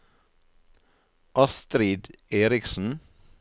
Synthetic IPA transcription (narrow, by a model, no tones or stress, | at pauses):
ʔɑst̪ɾiːd̪eːɾɪksn̩